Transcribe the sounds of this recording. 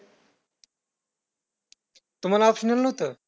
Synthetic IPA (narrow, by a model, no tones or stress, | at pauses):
t̪um̤alaɔpɕənalnəɦot̪əː